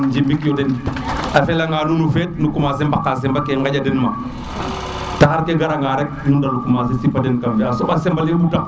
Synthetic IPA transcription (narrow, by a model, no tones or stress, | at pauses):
d͡ʒimbikjodɛnafelaŋaːnunufet̚nukumas̬embakːas̬ɛmbakeŋɡaɟadɛnma | tahaɾkeɡaɾaŋɡaɾɛk̚nundalukumas̬esipadɛnkamjaːsobasɛmbalebutak̚